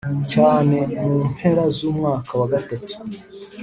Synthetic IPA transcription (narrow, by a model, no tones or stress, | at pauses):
caːne̞muːn̥he̞ɾazuːmŋaːkʰawaɡatatu̥